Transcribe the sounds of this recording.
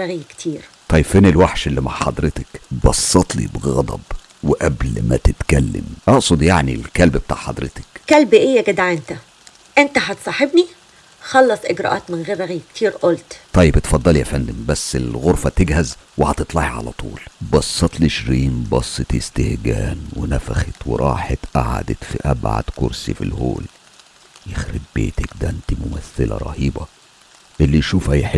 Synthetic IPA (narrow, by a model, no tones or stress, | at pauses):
æɣjkt̪ʰiːɾt̪ˤɑjːeb̥feːnelwaħʃelːima̰ʕħɑd̪ˤɾɪt̪ɪkbɑsˤːɑt̪ˤlḭbɣɑd̪ˤɑ̰b | weʔæblmæ̰t̪et̪kælːɪ̰mʔɑʔsˤod̪ˤjaʕnḭlkælbbet̪a̰ːʕħɑd̪ˤɾɪt̪ɪ̥kkælbʔejːæɡæd̪aʕent̪æ | ʔent̪æɦɑt̪sˤɑħebni | xɑlːɑsˤʔɪɡɾˤɑ̰ʔɑ̰ːt̪mɪnɣeːɾrːæɣjkt̪ʰiːɾʔolt̪t̪ˤɑjːebt̪fɑd̪ˤːɑljæfænd̪embæsːelɣoɾˤfɑt̪eɡhæzwehɑt̪et̪ˤlɑħiʕa̰læ̰t̪ʰˤṵːlbɑsˤːɑt̪lʔeʃɾiːnbɑsˤːet̪est̪ehɡæːnwenæfæxet̪wḛɾˤʔɑːħet̪ʔaʕa̰d̪et̪fiʔæbʕa̰d̪̥koɾsifḭlho̰ːl | jexɾeb̚bḛːt̪ækd̪æʔɪnt̪imʊmæθːɪlæ̰ɾˤɑ̰hiːbɑ | ʔelːijʃuːfhæjħe